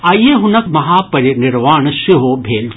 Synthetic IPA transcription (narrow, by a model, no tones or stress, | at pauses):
aːieɦʊnəkʰmɐɦaːpɐɾinɪɾʋaːɳsɪɦobʱeːl